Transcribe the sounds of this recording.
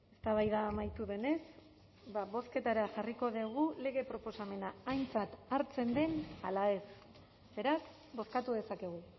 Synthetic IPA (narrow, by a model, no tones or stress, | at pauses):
e̞st̪aβajðaːmajt̪uðe̞ne̞s | baβo̞ske̞t̪aɾaʝariko̞ðieɣ̞ule̞ɣe̞pɾo̞po̞same̞naːjnt͡sat̪aɾt͡se̞nd̪e̞nalae̞s | be̞ɾas | bo̞skat̪uðe̞sake̞ɣ̞u